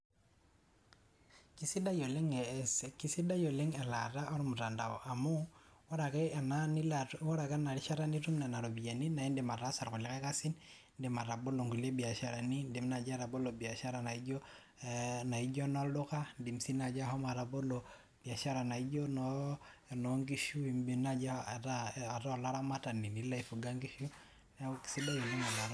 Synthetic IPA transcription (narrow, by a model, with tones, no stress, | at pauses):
ki˦si˦da˦jɔ˨le˦ŋki˦si˦da˦jɔ˨le˦ŋɛ˨la̰˨ta˦ʔɔ˦ɾɔ˦mu˨ta˨nda˨ɔ˨ʔa˨mu˦wɔ˦ɾa˨kɛ˨na˨nilwɔ˦ɾa˨ka˦na˨ɾi˦ʃa˦ɾa˦ni˦tu˦mna˨na˨ɾo˨bi˨ja˨ni˦na˨i˦ndɛ˨ma˨ɾa˦sa˨ɾku˨lɛ˨˦kɛ˦ka˦si˦n | ndɪ˨ma˨ɾa˨bɔ˦lo˨ŋɡu˨le˦bi˨a˨ʃa˨ɾa˨ni˦ndi˨mna˨d͡ʒa˦ɾa˨bɔ˦lo˨bi˨a˨ʃa˦ɾa˨na˨i˦d͡ʒɔ˦ | na˨i˦d͡ʒɔ˦na˦ldo˦ka˦ndi˨msi˦na˨d͡ʒa˦ɦɔ˦ma˨ɾa˨bo˦lɔ˨ | b̥i˨a˨ʃa˦ɾa˨na˨i˦d͡ʒɔ˦nɔ | nɔ˨ŋɡi˦ʃu˦i˨mbi˨na˨d͡ʒa˦˨taː˦˨ta˦˨la˦ɾa˦ma˦ta˨ni˨ni˨la˦i˨fu˨ɡa˦ŋɡi˦ʃu˦ | na˦ki̥˨si˦ba˦ji˨ni˦ma˨la˨ɾa˦